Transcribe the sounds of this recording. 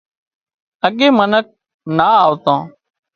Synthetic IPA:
əɠeːmənək̚ | naːaːʋt̪õː

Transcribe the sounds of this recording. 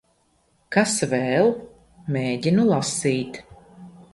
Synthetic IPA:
kasvɛːlˠ | meːɟinulˠasiːt̪

